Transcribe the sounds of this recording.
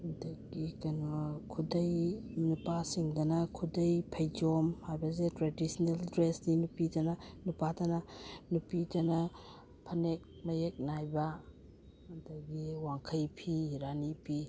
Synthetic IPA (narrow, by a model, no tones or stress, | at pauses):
dɐɡikɐnɔkʰudɐjnupasiŋdɐnɐkʰudɐjpʰɐjd͡ʒomhajbɐz̬etɾedisneldɾesninupidɐnɐnupadɐnɐnupidɐnɐ | pʰɐnek̚mɐjek̚najbɐː | dɐɡiwaŋkʰɐjpʰiɾanipʰi